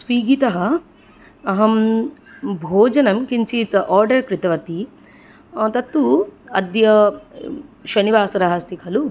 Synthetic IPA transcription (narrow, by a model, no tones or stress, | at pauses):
sʋiːɡit̪ɐɦɐ | ɐɦɐm | bʱoːd͡ʒɐnɐmkint͡ʃiːt̪ʔɔːɾɖɐɾkɾit̪ɐʋɐt̪i | t̪ɐt̪ːuɐd̪jɐ | ʃɐniʋaːsɐɾɐɦɐst̪ikʰɐlu